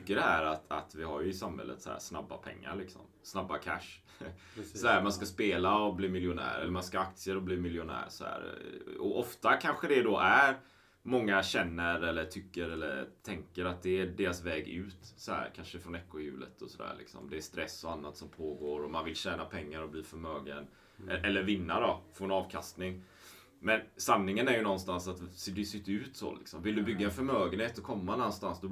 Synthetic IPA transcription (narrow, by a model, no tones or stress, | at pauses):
kːəɖɛhæːɾat̪ʰa̰t̪vɪɦaɾjɵɪsamhɛ̰lːʔə̰t̪sɔhæ̰snabːa̰pʰɛ̰ŋːa̰ɾɭɪksɔ̰m | snabːakʰæ̰ʂ | sɔhæːɾmanskaspeːlaɔbliːmɪljʊnæ̰ːɾɛ̰lːəɾmanskaak̚t̪sɪəɾɔbliːmɪljʊnæ̰ːɾsɔhæ̰ːɾɔʔɔft̪akʰanɧəd̪ɛd̪ɔʔæɾ | mɔŋːaɕɛnːəɾɛlːəʈʰʏkːəɾɛlːə̰ɾt̪ʰɛŋkəɾat̪̚d̪ɛːɖeːɾasvɛːɡʉ̟ːt̪sɔhæ̰ːɾkʰanʂəfɾɔnɛkːʊjʉ̟̰ːlə̰t̪ʰɔsɔd̪æ̰ːɾɭlɪ̰ksɔ̰md̪ɛːst̪ɾɛsːɔanːat̪sɔmpʰoːɡoːɾɔmanvɪlɕɛːnapʰɛŋːaɾɔbliːfœɾmøːɡə̰n | ɛʔɛlːəɾvɪnːad̪ɔfɔɛnɑːvkʰast̪nɪŋ | mɛnsanːɪŋənæɾjɵnɔnːst̪ansat̪sd̪ɛsɪt̪ːʉ̟ːt̪so̰lɪksɔmvɪld̪ɵbʏɡːaɛnfœɾmøːɡənheːt̪ɔkʰɔmːanɔnːst̪ansd̪ɔ